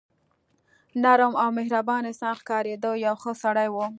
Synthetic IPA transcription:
naɾəmawmɪhɾabɑnesɑnxkɑɾed̪ojawxəsaɽajwo

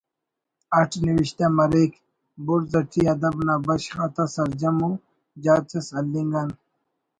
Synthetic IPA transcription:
ɐʈʰniwiɕt̪amɐɾek | buɾzɐʈʰiɐd̪ɐbnaːbɐɕxat̪asɐɾd͡ʑɐmu | d͡ʑaːt̪esɐlːiŋɡɐn

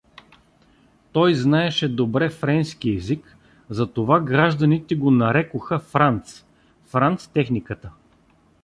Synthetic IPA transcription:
t̪ɔjznaɛʃɛd̪obɾɛfɾɛnskʲiɛzik | zɐt̪ovaɡɾaʒd̪ɐnit̪ɛɡonɐɾɛkoxəfɾant̪s | fɾant̪st̪ɛxnikət̪ə

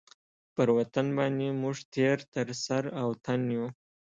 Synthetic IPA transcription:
pəɾwat̪anbɑnd̪emuʐt̪eɾt̪əɾsaɾawt̪ʰanju

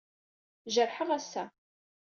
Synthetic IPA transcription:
ʒəɾˤħəmæsːæ

